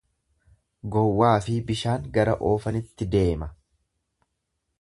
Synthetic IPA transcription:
ɡɔwːaːfɪbɪʃaːŋɡɐɾɐʔo̞ːfɐnɪt̪ːɪd̪e̞ːmɐ

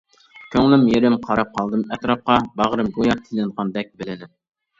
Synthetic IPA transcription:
kʲʰøŋlɪmjeɾɪmqʰɑɾɑp̚qʰɑlˠd̪ɨmɛt̪ɾɑp̚qɑbɑʁɾɨmɡojɑt̪ʰilɪnʁɑnd̪ɛk̚ʲbɪlɪd̪ɪm

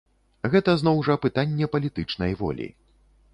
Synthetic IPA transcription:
ɣɛt̪ɐzn̪ɔwʐɐpɨt̪anʲːɛpɐlʲit̪ɨt͡ʂn̪ɐjvɔ̰lʲḭ

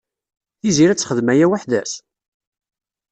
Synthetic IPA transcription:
θiziɾæt͡sːχəðmæjæwaħðæs

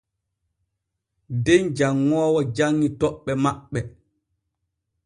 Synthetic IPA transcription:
dend͡ʒaŋːɔːwɔd͡ʒaŋːitɔɓːɛmaɓːɛ

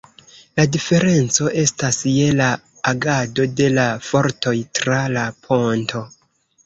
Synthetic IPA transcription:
ladife̞ɾe̞nt͡so̞ʔe̞stasje̞laː | ɡado̞de̞lafo̞ɾto̞jtɾalapʰo̞ntʰo̞

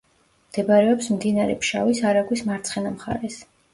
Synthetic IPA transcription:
md̪̥ɛbaɾɛɔpsmd̪inaɾɛpʰʃa̰visaɾaɡwismaɾt̪sʰχɛnamχa̰ɾɛs

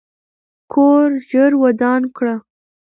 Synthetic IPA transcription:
kʰoɾʒəɾwad̪ɑnkɽa

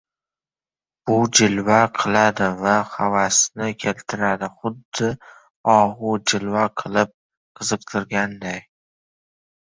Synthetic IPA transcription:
b̥ʊd͡ʒɪlvaqʰɨlˠad̪ɪvahavasnɪkʲʰelt̪ʰɪɾad̪ɪχʊd̪ːɪ | ɒʁʊd͡ʒɪlvaqʰɨlˠɪp̚ | qʰɨzɨq̚t̪ʰɪɾɡʲand̪aj

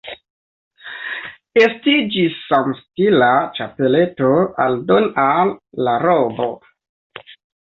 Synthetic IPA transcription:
e̞stid͡ʒisːamstilat͡ʃape̞le̞toaldonalːaɾobo̰

